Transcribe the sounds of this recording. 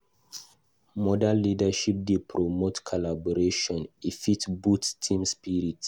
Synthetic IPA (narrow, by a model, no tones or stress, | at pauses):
mɔdãlidaʃip̚depʰɹomotkʰalabɔɾeʃɔ̃nifitbuttʰĩmspiɹit